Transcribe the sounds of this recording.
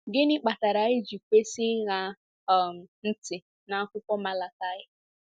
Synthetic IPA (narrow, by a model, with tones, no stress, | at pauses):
ɡɪ˦nɪ˦k͡pa˨ta˨ɾa˨ɪ˦d͡ʒu˨kʷe˦sɪ˦ɣa˨ | m̩˨n̩˦tɪ˨ | na˨a˦kʷʊ˦kʷɔ˦ma˦la˨ka˦ɣɪ˦